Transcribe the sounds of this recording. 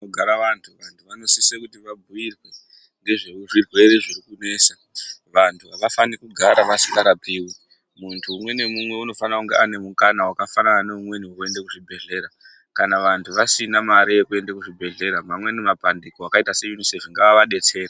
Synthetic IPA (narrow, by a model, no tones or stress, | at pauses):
noɡʱaɾaʋantʰuʋantʰuʋano̞sisekutiʋabʱuirwe | ŋɡe̞ʐeʐirwe̞ɾe̞ʐirikune̞ːsa | ʋantʰuaʋafanikuɡʱaɾaʋasiŋɡaɾapiːwi | muntʰuːmwe̞ne̞mumwe̞uno̞fanakuŋɡeane̞mukanawakafanananeumwe̞niue̞ndekuʐibʱe̞ɮe̞ɾa | kanaʋantʰuʋasinamaɾijekue̞ndakuʐibʱe̞ɮe̞ɾamamwe̞nemapandikoakaitase̞junisefiŋɡaaʋaɗe̞t͡se̞ːra